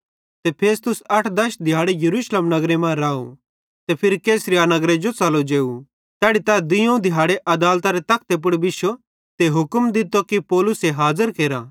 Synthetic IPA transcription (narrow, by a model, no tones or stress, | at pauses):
t̪epʰeːst̪ʊsɐʈʰd̪ɐʃd̪ʱɪjaːɽejɐɾuːʃleːmnɐɡɾemãɾaːo̰ | t̪epʰɪɾkeːsɾijaːnɐɡɾed͡ʒot͡sɐlod͡ʒeːu | t̪ɛːɽit̪ad̪ɪjõd̪ʱɪjaːɽeʔɐd̪aːlt̪aɾet̪ɐk̚ʰt̪ep̬ʊɽbɪʃo | t̪eɦʊkəmd̪ɪt̪okipɔːlʊseɦaːzəɾkeːɾa